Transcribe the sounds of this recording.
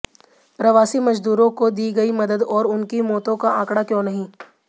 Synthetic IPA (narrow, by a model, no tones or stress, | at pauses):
pɾɐʋaːsimɐd͡ʒd̪uːɾõkod̪iːɡɐimɐd̪əd̪ɔːɾʊnkimɔːt̪õkaʔãːkɽakjõːnɐɦĩ